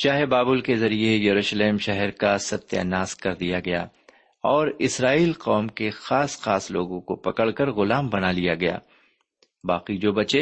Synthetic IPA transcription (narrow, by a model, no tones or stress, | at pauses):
ʃaːɦebaːbʊlkezɐɾiejɐɾuːʃleːmʃɐɦɛɾkasɐt̪ːja̰naːskɐɾd̪ijaɡɐja̰ː | ɔːɾɪsɾaːiːlqɔːmkexaːsxaːslo̰ːɡõkopɐkəɭkɐɾɣʊlaːmbɐnalijaɡɐja̰ː | baːqid͡ʒoːbɐt͡ʃe